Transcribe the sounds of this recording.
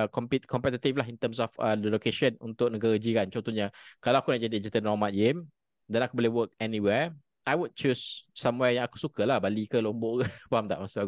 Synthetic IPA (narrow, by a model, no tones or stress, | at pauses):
kɔmpikɔmpɛt̪̬it̪iflaɦint̪əms̬ɔfədəlokeʃənṵnt̪ʊʔk̚nəɡaɾəd͡ʒikant͡ʃɔnt̪ɔɲakalawakunaʔd͡ʒadid͡ʒət̪ənɔmãt̪̚ɡem | dɛ̃nakuboliwək̚ɛniwɛ | ʔajwud̚t͡ʃusːamwɛjaŋaku̥sukəlahbalikəlomboʔkəpaamt̪a̰ʔmasuaku